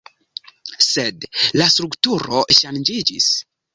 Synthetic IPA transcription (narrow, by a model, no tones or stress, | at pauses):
sedlastɾuktuɾo̞ʃand͡ʒid͡ʒḭs